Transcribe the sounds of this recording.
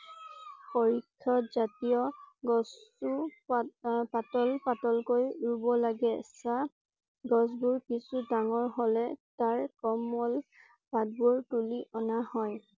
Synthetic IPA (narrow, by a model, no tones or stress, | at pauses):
poɹikʰːɔzatijɔɡɔsu | patɔlpatɔlkojɹubɔlaɡɛsa | ɡɔs̬buɹkisudaŋɔɹɦɔlɛtaɹkɔmɔl | pad̚buɹtuliʔɔnahɔj